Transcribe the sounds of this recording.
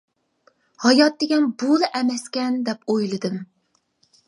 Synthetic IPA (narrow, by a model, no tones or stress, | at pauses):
hɑjɑt̪̚d̪eɡʲɛnbolˠɨʔɛmɛskʲɛnd̪ɛpojlˠɨd̪ɨm